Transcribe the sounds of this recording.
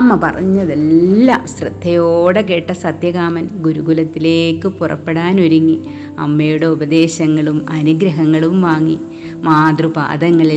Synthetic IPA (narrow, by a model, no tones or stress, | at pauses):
ɐmːɐpɐ̰rɐ̰ɲːɐðellːɐsrɨd̪ʱːɐjoːɽekeːʈːɐsɐt̪jɐɣaːmɐnɡuɾuɡulɐt̪ːile̞ːkːɨpurɐ̰pːe̞ɽaːnuɾuŋːi | ɐ̰mːɐjuɽe̞ubɐd̪e̞ːɕɐŋːɐɭumɐnuɡɾɐɦɐŋːɐɭumʋaːŋːi | maːd̪rupa̰ːd̪ɐŋːɐɭi